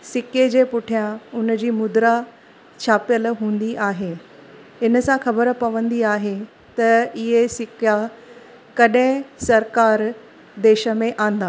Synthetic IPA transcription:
sɪked͡ʑeːpʊʈʰijãʊnəd͡ʑiːmʊd̪ɾa | t͡ɕʰaːpjəlɦũːn̆d̪iʔaːɦe | ɪnə̆sãxɐbəɾpɐʋə̃nd̪iaːɦe | t̪ɐɪɦesɪkja | kɐɗẽsɐɾkaːɾ | d̪eːʃə̆mẽʔãːn̆d̪aː

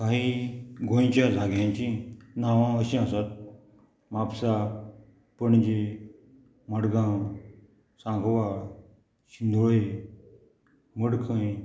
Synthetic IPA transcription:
kaɦiɡʱõj̃t͡ɕjad͡zʱaɡjãɲt͡ɕĩnaʋãəɕĩasat̪̚ | mapsa | pəɳd͡ʑe | məɽɡã | sãŋɡʱʋa | ɕind̪ʱʋe | məɽkʰə̃j

